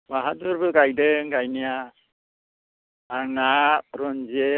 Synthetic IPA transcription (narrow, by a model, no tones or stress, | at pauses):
baɦat̪uɾbɯɡajdɯŋɡajnija | naʔ̚ɾɔnd͡ʒe